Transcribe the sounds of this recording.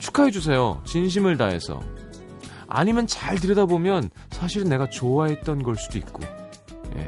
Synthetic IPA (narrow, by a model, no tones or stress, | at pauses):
t͡ɕʰu̥kʰaɦe̞d͡ʑus̬ʰe̞jo̰t͡ɕinɕ̬ʰimɯɭta̰ɦe̞̰sʰʌ̰ | a̰ɲimjʌnt͡ɕaɭtɯɾʌdabomjʌn | sʰaɕʰiɾɯnːe̞ɡat͡ɕoaɦe̞t̚t͈ʌnɡʌɭs͈udoḭk̚k͈o̰ | jḛ